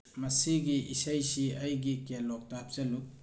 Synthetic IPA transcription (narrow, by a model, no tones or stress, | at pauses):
mɐsiɡiʔisɐjsiɐjɡikelɔk̚tap̚sɐlu